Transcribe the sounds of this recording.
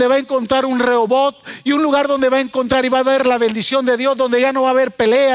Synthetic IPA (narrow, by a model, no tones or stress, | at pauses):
d̪e̞βaeŋko̞nt̪ɾaɾunreoβot̪̚iunluɣaɾðo̞nd̪e̞βaeŋkont̪ɾaɾiβaβeɾlaβe̞nd̪isjo̞nd̪e̞ðjo̞zðõ̞nd̪e̞ʝano̞βaːβe̞ɾpe̞lea